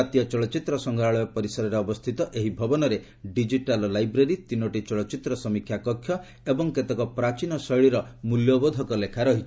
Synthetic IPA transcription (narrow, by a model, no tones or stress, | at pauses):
at̪jɔt͡ʃɔɭɔt͡ʃit̪ɾɔsɔŋɡɔɾaɭɔjɔpɔɾisɔɾɔɾeɔbɔst̪ʰit̪ɔʔeɦibʱɔbɔnɔɾe | ɖid͡ʒiʈallajbɾeɾit̪inoʈit͡ʃɔɭɔt͡ʃit̪ɾɔsɔmikʰjakɔkʰːjɔ | ebɔŋket̪ekɔpɾat͡ʃinɔsɔjɭiɾɔmuljobod̪ʱɔkɔlekʰaɾɔɦit͡ʃʰ